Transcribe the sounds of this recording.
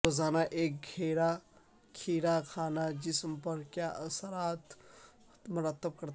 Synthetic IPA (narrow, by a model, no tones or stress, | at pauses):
ozaːnaʔeːk̚ɡʱeɾa | kʰiɾakʰaːnad͡ʒisəmpəɾkjaʔəsəɾaːt̪ | mʊɾət̪ːəb̚kəɾ